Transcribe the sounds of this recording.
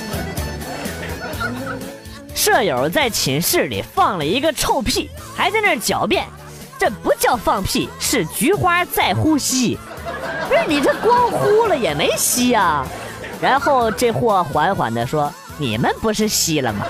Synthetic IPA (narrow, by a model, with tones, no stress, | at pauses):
ʂɤ˥˩jo˨˩ʊt͡sa˥˩ɪt͡ɕʰi˧˥nʂɻ̩˥˩lḭ˨˩fɑ˥˩ŋlə˩i˧˥ɡə˧ʈ͡ʂʰo˥˧ʊpʰi˥˩ | xa˧˥ɪt͡sa˥˧ɪnə˥˩t͡ɕjɑ˨˩ʊpjɛ˥˩n | ʈ͡ʂɤ˥˩pu˧˥t͡ɕjɑ˥˧ʊfɑ˥˧ŋpʰi˥˧ʂɻ̩˥˩t͡ɕy˧˥xwa˥t͡sa˥˩ɪxu˥ɕi˥ | ʂ̩˥˩ni˨˩ʈ͡ʂə˥˩kwɑ˥ŋxu˥lə˨jɛ˨˩me˧˥ɪɕi˥ɐ˨ | ɻa˧˥nxo˥˧ʊʈ͡ʂe˥˧ɪxwɔ˥˩xwa˧˥nxwa̰˨˩nd̪ə˦ʂwɔ˥ | nḭ˨˩mə˦npu˧˥ʂɻ̩˥˩ɕi˥lə̰˨mɐ̰˩